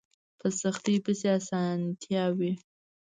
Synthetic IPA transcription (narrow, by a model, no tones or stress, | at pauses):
pʰəsaxt̪ijpəseasɑnt̪ʰjɑwi